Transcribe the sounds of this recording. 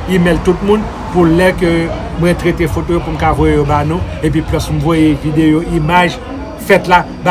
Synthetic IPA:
imeltut̚mũn | pulɛkø | mwɛ̃t̪ʁetefotojopum̩kavɔjejobanũep̬ɥiplɔsm̩vwɔjevidejoʔimaʒ | fɛtla | ba

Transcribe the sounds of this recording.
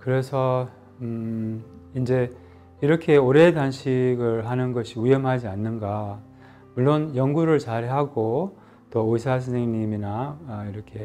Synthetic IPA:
kɯɾe̞sʰʌ | ind͡ʑe̞ | iɾʌkʰe̞oɾe̞danɕʰiɡɯɭɦanɯnɡʌɕʰiujʌmɦad͡ʑianːɯnɡa | muɭːonjʌŋɡuɾɯɭt͡ɕaɾɦaɡo | t͈ooisʰas̬ʰɯsʰeŋɲiminaiɾʌkʰe̞

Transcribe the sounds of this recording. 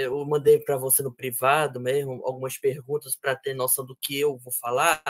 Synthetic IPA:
emɐ̃d̪ejpɾɐvosenʊpɾivad̪ʊmezmʊa̰wɡũmɐspeɦɡũt̪ɐspɾɐt̪eɾnɔsɐ̃w̃d̪ʊkɪewvowfala

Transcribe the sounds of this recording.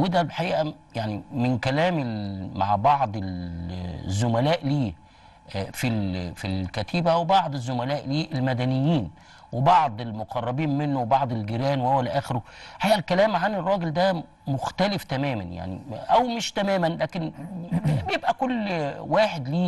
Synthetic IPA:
wed̪æbħaʔiːʔæ | jaʕnimɪnkælæːmema̰ʕbɑʕd̪ˤel | zːomælæːʔliː | filfilkæt̪ʰiːbæwebɑʕd̪ˤezːomælæːʔliːʔelmæd̪ænɪjːiːn | webɑʕd̪ˤelmoqʰɑrˤːɑbiːnmenːowebɑʕd̪ˤelɡeɾæːnwewælʔæːxeɾoħaʔiːʔælkælæːmʕanerˤːɑːɡeld̪æ | moxt̪ælɪft̪æmæːmæ̰nja̰ʕnḭʔæwmɪʃt̪æmæːmænlæːken | bjebʔækolːwaːħed̪liː

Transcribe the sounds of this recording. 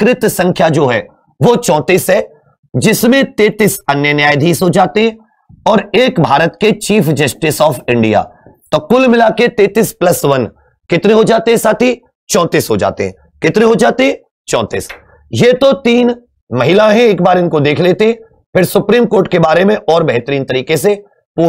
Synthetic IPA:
kɾɪt̪sɐ̃ŋkʰjad͡ʒoːɦɛː | ʋot͡ʃɔ̃ːt̪iːsɦɛː | d͡ʒɪsmẽt̪eːt̪ɪsɐnjənjaːjd̪ʱiːsɦod͡ʒaːt̪eɦɛ̃ | ɔːɾeːkbʱaːɾət̪ket͡ʃiːfd͡ʒɐsʈɪsɔːfɪ̃ɳɖija̰ːt̪okʊlmɪlaket̪eːt̪isplɐsʋɐn | kɪt̪ɾeɦod͡ʒaːt̪eɦɛsaːt̪ʰi | t͡ʃɔ̃ːt̪iːsɦod͡ʒa̰ːt̪ḛɦɛ̰̃ | kɪt̪ɾeɦod͡ʒaːt̪eɦɛ̃ | t͡ʃɔ̃ːt̪ḭːs | jet̪ot̪iːn | mɐɦɪlãɦɛ̃eːkbaːɾɪnkod̪eːkʰleːt̪eɦɛ̃ | pɪɾsʊpɾiːmkoːɾʈkebaːɾemẽʔɔːɾbɐɦt̪əɾiːnt̪ɐɾiːkese | puː

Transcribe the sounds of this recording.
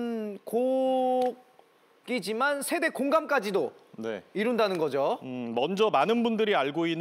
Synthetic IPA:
nko | k̚ | ɡ͈id͡ʑimansʰe̞de̞koŋɡamk͈ad͡ʑidone̞̰iɾundanɯnɡʌd͡ʑomʌnd͡ʑʌmanɯnbundɯɾiaɭɡoinː

